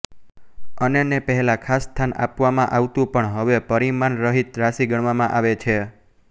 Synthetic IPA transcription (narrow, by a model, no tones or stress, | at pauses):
ənenepəɦɛlakʰasːt̪ʰanʔa̰pʋamãʔaʋt̪ũpəɳɦəʋepəɾimanɾəɦit̪ɾaʃiɡəɳ̃ʋamãʔaʋet͡ʃʰe